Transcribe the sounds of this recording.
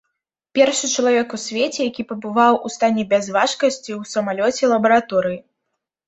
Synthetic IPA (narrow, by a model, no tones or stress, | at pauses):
pʲɛrʂɨt͡ʂɐlˠavʲɛkusʲvʲet͡sʲɛjakʲipɐbɨvawust̪anʲːɛbʲɛzvaʂkɐsʲt͡sʲiwsɐmalʲɔt͡sʲɛlˠɐbɐɾat̪ɔɾɨji